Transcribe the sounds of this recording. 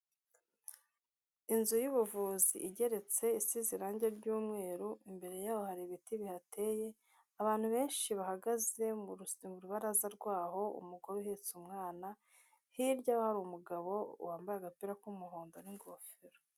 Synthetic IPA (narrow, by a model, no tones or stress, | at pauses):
inzujuβuvuːzḭʔiɟe̞ɾe̞t͡se̞isiziɾaːɲɟeɾɟuːmŋe̞ːɾuimbe̞ɾe̞jaːhohaɾiβitiβihatʰe̞ːje̞ | aβaːn̥huβe̞ːnʃiβahaɡaze̞mmuɾuβaɾazaɾɡwaːɦo̞ṵmuɡo̞ɾuhet͡sumŋaːna | hiɾɟaahaɾumuɡaβo̞ṵwaːmbajaɡapiɾakumuɦoːndoniŋɡoːfeɾo